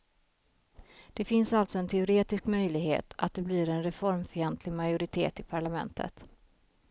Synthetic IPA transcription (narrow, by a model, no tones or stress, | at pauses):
d̪̥ɛfɪnsalt̪sɔɛnt̪ʰɛʊɾeːt̪ɪskmœjlɪɡhḛːt̪ʰa̰t̪̚d̪ɛbliːɾɛnɾɛfɔɾmfiɛnt̪ʰlɪɡmajʊɾɪt̪ʰḛːt̪ɪpʰaɭamɛ̰nt̪ʰə̰t̪